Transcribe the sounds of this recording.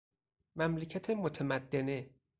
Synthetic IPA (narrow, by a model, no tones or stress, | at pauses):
mæmlecʰæt̪ʰemot̪ʰemæd̪ːene